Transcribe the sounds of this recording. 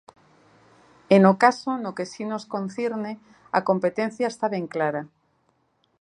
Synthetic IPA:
enokasonokesinoskõn̟θjeɾne | akompet̪ẽn̟θjaest̪aβeŋklaɾa

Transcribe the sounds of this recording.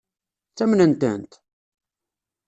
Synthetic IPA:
t͡sːæmnənt̪ə̰nt̪

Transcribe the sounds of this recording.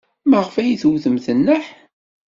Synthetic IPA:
məʁəfæjiθuwθəmθənːəħ

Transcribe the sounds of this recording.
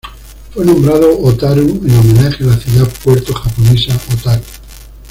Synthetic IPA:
fwenõmbɾað̞oʔot̪aɾuenomẽnaxelaθjuðapweɾt̪oxaponesaʔot̪aɾu

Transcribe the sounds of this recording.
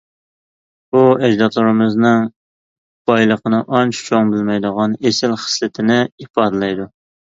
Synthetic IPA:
buɛd͡ʒd̪ɑt̪ʰlˠɨɾɨmɨznɨŋ | b̥ɑjlˠəqənɨʔɑnt͡ʃʰt͡ʃʰoŋbɪlmɛjd̪əʁɑnesɪlχə̥slɨt̪ʰɪnɪipɑːd̪ɨlˠɛjd̪u

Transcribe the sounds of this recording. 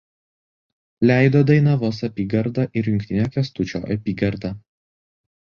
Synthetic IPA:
lʲæˑɪd̪oːd̪ɐɪnɐʋoːsɐpʲiːɡɐɾd̪ɐʔɪɾjʊŋʲkʲt̪ʲɪnʲoːkʲɛst̪ʊt͡ʃʲo̰ːʔɐpʲiːɡɐɾd̪ɐ

